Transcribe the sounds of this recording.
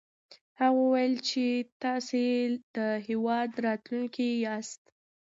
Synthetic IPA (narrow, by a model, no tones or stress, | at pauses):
haɣəwajəlt͡ʃet̪ɑsed̪̥əɦewɑd̪ɾɑt̪luŋkiɑst̪